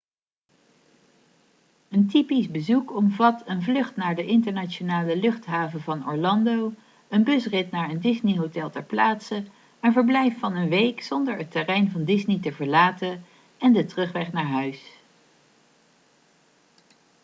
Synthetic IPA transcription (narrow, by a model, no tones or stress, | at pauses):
əntipisbəzukɔmvɑtənvlɵχtnaːɹdəʔɪntəɹnaːt͡ʃonaːləlɵχtɦaːvəvɑnɔ̰ɹlɑndow | ənbɵsrɪtnaːɹəndɪzniɦowtɛlˠtɛɹplaːtsə | ɛnvəɹblɛjfːɑnənʋejksɔndəɹɦətərɛjnvɑndɪznitəvəɹlaːtə | ɛndətrɵχʋɛχnaːɹɦœɥs